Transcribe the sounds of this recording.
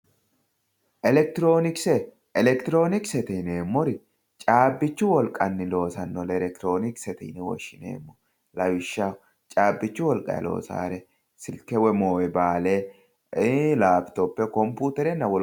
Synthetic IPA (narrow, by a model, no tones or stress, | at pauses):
ʔɛlɛk̚t̪ɪɾoːnɪksɛ | ɛlɛkt̪ɪɾo̞ːnɪksɛt̪ɛneːmːɔɾɪ | t͡ʃʼaːbːɪt͡ʃːʊwɔlkʼɐnːɪlo̞ːsɐnːɔlɛlɛk̚t̪ɾo̞ːnɪksɛt̪ɪ̰nɪwɔ̰ʃːɪnḛːmːɔ̥ | lɐwɪʃːa | t͡ʃʼaːbːɪt͡ʃːʊwɔlkʼɐ̰ɛ̰lo̞̰ːsa̰ːɾɛ | sɪlkɛwɛmoːjɛbaːleː | laːft̪opːɛkɔmpuːt̪ɛɾɛnːɐwɔ